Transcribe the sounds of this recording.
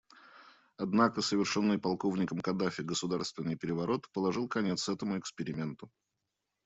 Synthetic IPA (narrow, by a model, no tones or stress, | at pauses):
ɐd̪nakəsəvʲɪrʂonːɨjpɐlˠko̞vnʲɪkəmkɐd̪afʲɪɡəsʊd̪arst̪vʲɪnːɨjpʲɪɾʲɪvɐɾo̞t̪pəlˠɐʐɨlˠkɐnʲe̞t̪sɛt̪əmʊɪkspʲɪɾʲɪmʲe̞nt̪ʊ